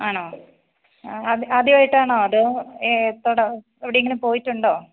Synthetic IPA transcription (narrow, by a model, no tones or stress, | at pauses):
aːɳoː | ɐðɐðiʋaːjiʈːaːɳoːɐðɨ | t̪ːoːɽɐ | eʋiɽejeŋɡilumpo̞ːjitːuɳɖo̞ː